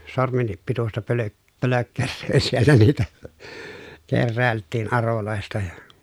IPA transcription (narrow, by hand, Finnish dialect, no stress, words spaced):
sormenːip pitustɑ pølø pøløkːerːøː sielːæ niːtæ kerːæˑeltːiːn ɑroloˑestɑ jɑ